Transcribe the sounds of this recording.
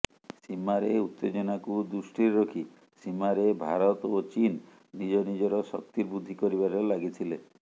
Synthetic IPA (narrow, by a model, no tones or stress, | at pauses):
simaɾeut̪ːed͡ʒɔnakud̪usʈiɾɾɔkʰi | simaɾebʱaɾɔt̪ot͡ʃinː | id͡ʒɔnid͡ʒɔɾɔsɔkt̪iɾbud̪ʱːikɔɾiβaɾɔlaɡit̪ʰile